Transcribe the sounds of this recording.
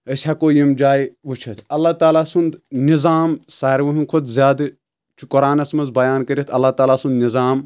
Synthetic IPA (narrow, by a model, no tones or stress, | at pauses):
ɐsʲhakoːjimd͡ʒaːjʋut͡ʃʰɐt̪ʰɐlːaːt̪aːlaːsund̪nizaːmsaːɾʋɐɦunkʰud̪zʲjaːd̪ɨ | t͡ʃʰukɔɾaːnɐsmɐnzbɐjaːnkɐɾʲit̪ʰɐlːaːt̪aːlaːsund̪nizaːm